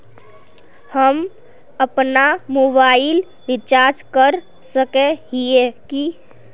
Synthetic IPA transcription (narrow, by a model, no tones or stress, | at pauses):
həm | əpnamobaɪl | ʋɪt͡ʃaɾd͡ʒkəɾ | səkeɦieki